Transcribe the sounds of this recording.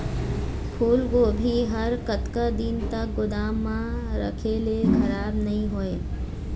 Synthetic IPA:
pʰuːlɡoːbʱiɦəɾkət̪kəd̪int̪ək̚ɡʊd̪aːmːãɾɐ̰kʰelekʰɐɾaːbnɐɦĩɦoeː

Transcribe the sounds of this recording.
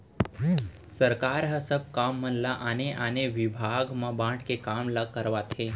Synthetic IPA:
səɾkaɾɦəsəb̚ʱkamːənlaʔəneʔaneʋibʱaɡmãbãʈkekamləɡ̚kːəɾʋat̪ʰe

